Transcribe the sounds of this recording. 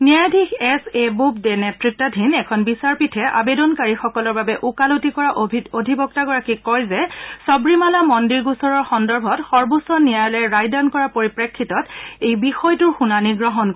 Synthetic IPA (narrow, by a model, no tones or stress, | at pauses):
niajdʱixɛsebupdɛnɛtɹik̚tadʱinɛkʰɔnbisaɹpitʰɛʔa̰bedɔnkaɹixɔkɔlɔɹbabɛʔukalutikɔɹaʔodʱibɔk̚taɡɔɹakikɔjzɛsɔbɹimalamɔndiɹɡusɔɹɔɹxɔndɔɹbʱɔtxɔɹbusɔnijajlɛɹajdankɔɹapoɹipɹekʰːitɔtejbixɔjtuɹxunaniɡɹɔɦɔnk